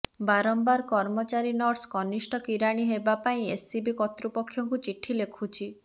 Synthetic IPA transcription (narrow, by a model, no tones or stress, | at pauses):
baɾɔmbaɾkɔɾmɔt͡ʃaɾinɔɾskɔnisʈɔkiɾaɽ̃iɦebapaĩesibikɔt̪ɾupɔkʰːjɔŋkut͡ʃiʈʰilekʰut͡ʃʰi